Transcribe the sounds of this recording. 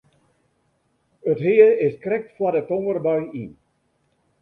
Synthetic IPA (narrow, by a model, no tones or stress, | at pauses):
ətɦɪəɪskrɛk̚tfwadətoŋərbœɥin